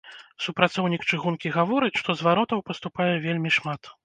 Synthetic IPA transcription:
supɾat̪sɔwnʲikt͡ʂɨɣunkʲiɣavɔɾɨt͡sʲʂt̪ɔzvaɾɔt̪ɐwpɐst̪upajɛvʲelʲmʲiʂmat̪

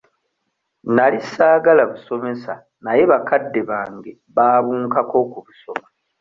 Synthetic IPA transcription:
nalisaːɡalaβuso̞me̞sa | naje̞βakadːe̞βaːŋɡe̞ | βaːβuːŋkako̞kuβuso̞ma

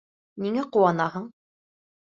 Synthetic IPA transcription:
nʲiŋæquwɑnɑɦɤɴ

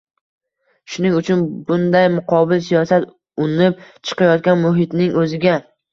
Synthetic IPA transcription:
ʃʊnɪŋʊt͡ʃʰʊnbʊnd̪ajmʊqʰɒbɪlsijɒsat̪ | ʊnɪp̚t͡ʃʰɨ̥qɑjɒt̪̚kʲanmʊɦɪt̪nɪŋʔɵzɪɡʲa

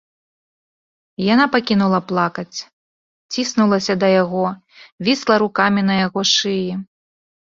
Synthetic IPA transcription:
janapakʲinulˠɐplˠakɐt͡sʲ | t͡sʲisnulˠɐsʲɐd̪ɐjaɣɔ | vʲislˠɐɾukamʲinɐjaɣɔʂɨji

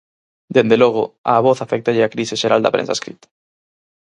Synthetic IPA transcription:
d̪end̪eloɣ̞oa̰βoθafɛk̚t̪aʎɪakɾiseʃeɾald̪ɐ̰pɾḛ̃nsa̰skɾit̪ḁ

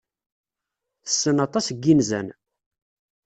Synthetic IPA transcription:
θə̥sːənɑt̪ˤɑsɡːinzæ̰n

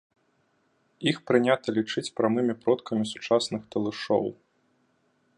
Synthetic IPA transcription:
ixpɾɨnʲat̪ɐlʲit͡ʂɨt͡sʲpɾamɨmʲipɾɔt̪kɐmʲisu̥t͡ʂasnɨxt̪ɐlˠɨʂɔ̰w

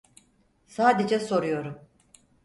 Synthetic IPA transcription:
saːd̪e̞d͡ʒɛso̞ɾujo̞ɾum

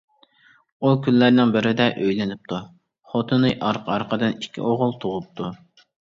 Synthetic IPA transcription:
ukʲʰynːæɾnɪŋbɪɾɪd̪ɛʔøjlɪnɪp̚t̪ʰu | χot̪ʰɨnɨʔɑɾqʰɑɾqʰəd̪ɨnikʲʰːḭʔoʁʊlˠt̪ʰoʁʊp̚t̪ʰu

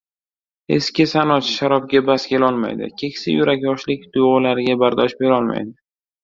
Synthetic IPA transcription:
ḛskʲɪsanɒt̪ʃaɾɒb̚ɡʲabaskʲʰe̞lɒlˠma̰jd̪ɪ̰kʲʰe̞kʲsɪjʊɾakʲjɒʃlɪkʲd̪̥ʊɒlaɾɪɡʲabaɾd̪ɒʃbe̞ɾɒlˠma̰jd̪ɪ

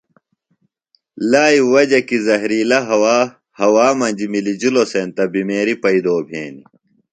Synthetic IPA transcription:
laːiwɐd͡ʑɐkizɐɦɾiːlɐɦɐwaː | hɐwaːmɐnʲd͡ʑimilid͡ʑiloseːnt̪ɐbimeːɾipɐid̪oːbʱḛːni

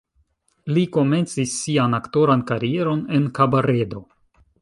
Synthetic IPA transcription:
liko̞me̞nt͡sisːianakto̞ɾankaɾie̞ɾo̞ne̞nkabaɾe̞do̞

